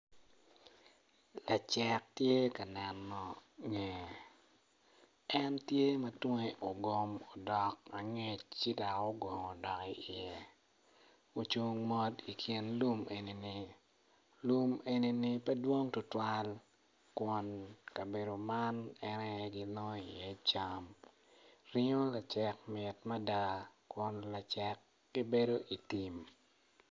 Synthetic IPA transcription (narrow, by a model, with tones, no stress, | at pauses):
la˨t͡ʃɛ˦k̚tje˦ka˨nɛ˨nːɔ˨ŋe˨ | ɛ˦ntje˦mɐ˦twŋe˦ʔo˨ɡo˨mo˨dɔ˨ka˨ŋe˦˨t͡ʃt͡ʃi˦da˨ko˦ɡo˨ŋo˨dɔ˨ki˦ɪ˨je˨ | o˨t͡ʃu˦ŋmɔ˦di˨kʰji˨nlu˦me˨ni˨ni˨ | lu˦me˨ni˦ni˦pɛ˦dwo˦ŋtʊ˨twa˦l | kʊ˨nka˨be˨do˨ma˦nɛ˦nɛ˦ɡi˦lo˦i˨jɛ˦t͡ʃam | ɾi˦ɲo˦la˨t͡ʃɛ˨kmɪ˨tma˦da˨kʊ˨nla˨t͡ʃɛ˦kː | i˦be˦do˦ʔi˨ti˨m